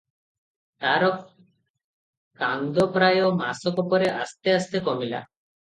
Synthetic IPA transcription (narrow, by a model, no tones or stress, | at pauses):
t̪aɾɔk | kaŋd̪opɾajoma̰sokopoɾeʔa̰st̪east̪ekomila̰